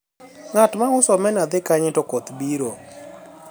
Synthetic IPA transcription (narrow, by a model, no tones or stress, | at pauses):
ŋatmaʊsɔmɛnad̪ɪkaɲɪtɔkot̪biɾo